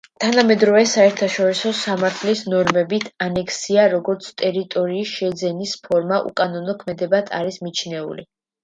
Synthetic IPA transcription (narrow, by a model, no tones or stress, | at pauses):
t̪ʰanamɛd̪ɾɔvɛsaɛɾt̪ʰaʃɔɾisɔsamaɾt̪ʰlisnɔɾmɛbit̪ʰanɛkʰsiaɾɔɡɔɾt̪sʰt̪ʼɛɾit̪ʼɔɾiːsʃɛd̪zɛnispʰɔɾmaʔṵkʼanɔnɔkʰmɛd̪ɛbat̪ʰa̰ɾismit͡ʃʰnɛṵlḭ